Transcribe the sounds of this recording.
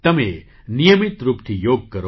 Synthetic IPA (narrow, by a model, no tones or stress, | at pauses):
t̪ɐme | nijəmit̪ɾuːpt̪ʰijoːɡ̚kɐɾo